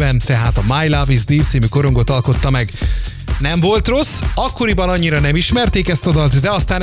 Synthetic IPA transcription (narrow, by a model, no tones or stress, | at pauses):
ɛnt̪ɛɦaːt̪ɒmaːjlavizd̪iːft̪siːmyko̞ɾo̞ŋɡo̞t̪ɒlko̞t̪ːɒmɛɡ | nɛɱvo̞lt̪ro̞sːɒkːo̞ɾibɒnɒɲːiɾɒnɛmiʃmɛrt̪eːkɛst̪ɒd̪ɒlt̪d̪ɛɒst̪aːn